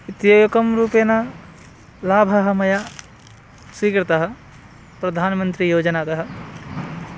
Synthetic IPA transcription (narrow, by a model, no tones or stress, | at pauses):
it̪joːjɐkɐmɾuːpeːnɐ | laːbʱɐɦɐ̆mɐja | swiːkɾɐt̪ɐɦɐ̆ | pɾɐd̪ʱaːnmɐnt̪ɾijoːd͡ʒɐnaːt̪ɐɦɐ̆